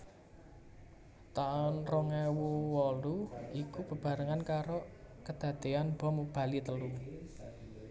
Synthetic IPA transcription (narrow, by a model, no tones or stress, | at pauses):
t̪aʊnrɔŋɛwuwɔluikub̥ə̤b̥ä̤ɾəŋankaɾokəd̪̥ä̤d̪̥eanb̥ɔ̤mub̥ä̤lit̪əlu